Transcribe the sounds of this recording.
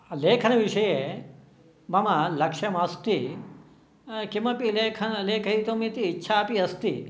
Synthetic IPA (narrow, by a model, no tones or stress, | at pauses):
leːkʰənʋiʃɐje | mɐmalɐkʃɐmɐst̪i | kimɐpilekʰənlekʰəɦit̪omĩt̪iːtːʃʰaːpiɐst̪i